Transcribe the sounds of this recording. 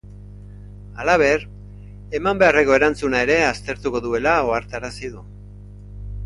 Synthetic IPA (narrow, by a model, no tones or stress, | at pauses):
alaβ̞e̞ɾ | e̞mambe̞are̞ko̞e̞ɾant͡sunae̞ɾe̞ast̪e̞ɾt̪uko̞ðue̞lao̞aɾt̪aɾasiðu